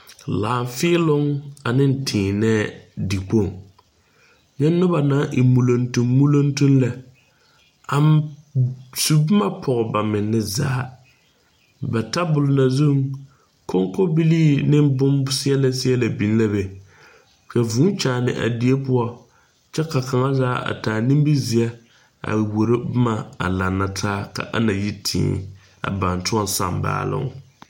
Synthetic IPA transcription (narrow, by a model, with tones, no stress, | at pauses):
laː˨ɱ˨fɪ˦lʊ˦ŋa˨nɪ˦n̩˨tʰɪː˨nɛː˦di˨k͡po˦˨ŋ | jɛ˦nː˦ʊ˦ba˨naː˨˦ʔi˨mu˨lo˨ntu˦mːu˦lo˦ntu˦nla˨ | a˨m | su˨bʊ˦ma˦pʰɔ˨ɣɔ˨ba˨mɪ˨nːɪ˦za̰ː˦ | bɛ˨ta˦bʊ˨lʊ˨na˨zu˦˨ŋ | ko˦ŋko˦bi˦liː˦nɪ˦bʊ˦msɪ˦ɛ˦la˦sɪ˦ɛ˦la˨bi˨n˦la˦bɛ˨ | ka˨vuː˨˦t͡ʃaː˨nɪ̰˨ʔa̰˨di˨e˦pʊ˦ɔ˦ | t͡ʃɛ˦ka˨kʰa˨ŋa˦zaː˦a̰˨taː˨ni˦m˦bi˦zɪ˨a˦ | a̰˨wo˨ɾɪ˦bʊ˦ma˨a̰˨la˨nːa˨tʰaː˦ka̰˨ʔa̰˦na˨ji˦tʰḭː˨˦˨ | a̰˨ba˨ntʊ˦ɔ˦n˦sa̰˦˨mba̰ː˦lɪ̰˦˨ŋ˨